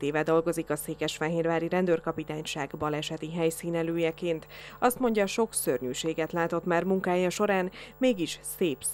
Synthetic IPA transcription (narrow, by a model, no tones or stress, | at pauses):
t̪eːvɛd̪o̞lɡo̞zikɒseːkɛʃfɛɦeːrvaːɾiɾɛnd̪ørkɒpit̪aːɲʃaːɡbɒlɛʃɛt̪iɦɛjsiːnɛløːjɛkeːnt̪ɒst̪mo̞ɲɟɒʃo̞ksø̰rɲyːʃeːɡɛt̪laːt̪o̞t̪maːrmuŋkaːjɒʃo̞ɾaːnmeːɡiʃseːp